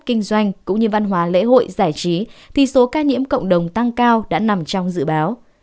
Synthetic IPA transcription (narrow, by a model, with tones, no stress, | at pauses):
kï˧ŋ̟zwa˧jŋ̟kʊ̰˧˥ŋ͡mɲɨ˧va˧nɦwaː˨˦lḛ˧˥ɦo̰˧˨jzaː˧˩jt͡ɕi˨˦t̪ʰi˨˩so˨˦kaː˧ɲḭ˧˥əmkə̰˧˨wŋ͡mɗə˨˩wŋ͡mt̪a˧ŋkaː˧wɗa̰ː˧˥na˨˩mt͡ɕɔ˧wŋ͡mzɨ̰˧˨ɓaː˨˦w